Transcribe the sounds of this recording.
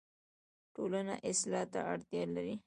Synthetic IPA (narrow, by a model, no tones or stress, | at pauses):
ʈolana̰ʔɪslɑt̪a̰aɽt̪jɑlaɾi